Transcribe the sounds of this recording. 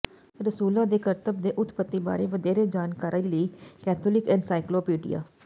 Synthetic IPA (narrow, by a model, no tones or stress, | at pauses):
ɾəsuːlãːd̪eːkəɾt̪əb̚d̪eːʔʊt̪pət̪ːiːba̰ːɾeːʋəd̪eːɾeːd͡ʒaːnkaːɾəiliːkɛːt̪ʰoːlɪkɪnsaːɪkloːpiːɖḭja̰ː